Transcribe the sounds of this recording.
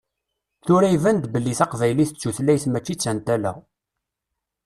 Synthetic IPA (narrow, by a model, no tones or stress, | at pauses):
θʊɾæivænd̪bəlːiθɑqvæjliθət͡sːuθlæjθmæt͡ʃːit͡sːænt̪ælæ̰ʁ